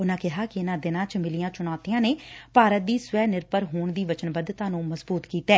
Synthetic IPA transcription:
ʊnãːkɪɦaːkɪɪnãːd̪ɪnãːt͡ʃmɪlijãːt͡ʃʊɳ̃aːt̪ijãːneːpaːɾət̪̚d̪iːsʋɛːnɪɾpəɾɦoːɳd̪iːʋət͡ʃənbəd̪t̪ãːnũːməzbuːt̪kiːt̪ɛː

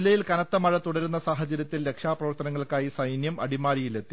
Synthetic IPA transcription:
lːɐjilkɐnɐt̪ːɐmɐɻɐt̪uɽɐɾunːɐsaːɦɐt͡ɕːɐɾjɐt̪ːilːe̞kʂaːprɐʋɐrt̪ɐnɐŋːɐɭkaːjisɐjnjɐmɐɽimaːɾijile̞t̪ːi

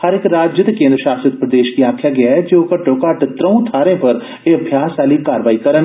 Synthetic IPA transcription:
həɾɪkɾaːd͡ʒjət̪kẽːnd̪ɾəʃaːsət̪pɾəd̪eːʃkiaːkʰjaɡɐjaɛd͡ʒokəʈːoːkaːʈt̪ɾə̃ũt̪ʰaːɾẽpɐɾ | eɐbʱjaːsaːlikaːɾəʋaːikɐɾən

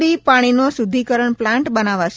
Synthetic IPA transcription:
ɾipaɽ̃inosud̪ʱikəɾəɳplãɳʈbənaʋat͡ʃ

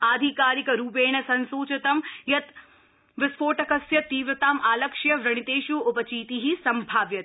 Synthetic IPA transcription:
aːd̪ʱikaːɾikɐɾuːpeːɳ̃ɐsɐnsuːt͡ʃɐt̪ɐmjɐt̪ | ʋɪspoːʈɐkɐsjɐt̪ːiːʋɾɐt̪aːmʔaːlɐkʂjɐʋɾɐɽ̃it̪eːʃjuːʊpɐt͡ʃiːt̪iɦisɐmbʱaːʋjɐt̪

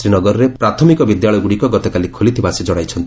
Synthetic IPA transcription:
sɾinɔɡɔɾɔɾepɾat̪ʰɔmikɔbid̪jaɭɔjɔɡuɽikɔɡɔt̪ɔkalikʰolit̪ʰibasid͡ʒɔɽajt͡ʃʰɔnt̪i

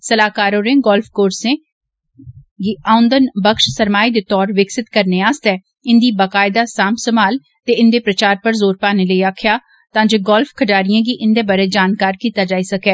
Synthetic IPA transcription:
səlaːkaːɾõːɾẽːɡɔːlfʰkoːɾsẽː | ɡiːaːʊnd̪ənbəkʃsəɾmaːiːd̪eːt̪ɔːɾʋɪksɪt̪kəɾneːaːst̪ɛː | ɪnd̪iːbakaːɪd̪aːsaːmsəmaːl | t̪eːɪnd̪eːpɾət͡ʃaːɾpəɾzoːɾpaːneːləiːaːkʰjaː | t̪ãːd͡ʒeːɡɔːlfkʰəʈaːɾijãːɡiːʔɪnd̪eːbəɾeːd͡ʒaːnkaːɾkiːt̪aːd͡ʒaːiːsəkɛː

